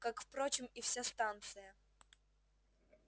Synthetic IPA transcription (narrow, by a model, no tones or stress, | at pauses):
kakfpɾot͡ɕɪmifsʲast̪ant̪sɨjə